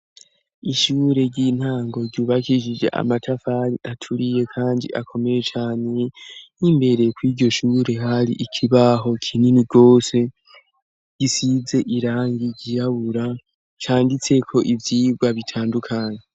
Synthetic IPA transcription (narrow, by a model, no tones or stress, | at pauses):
iʃuːɾe̞ɾɟiːn̥haːŋɡo̞ɾɟuːβakiʃid͡ʒḛʔa̰matʰafaɾiʔatʰuɾije̞kʰaːndḭʔakʰo̞me̞je̞t͡ʃaːne̞nimbe̞ɾe̞kwiːɾɟo̞ʃuːɾe̞ɦaɾḭʔikʰiβaɦo̞kʰininiɡo̞ːse̞ | ɟ̥isize̞ʔiɾaːŋɡiɟijaβuɾa | t͡ʃaːndit͡se̞kʰo̞ʔivjiːɡɡwaβitʰaːndukʰaːɲe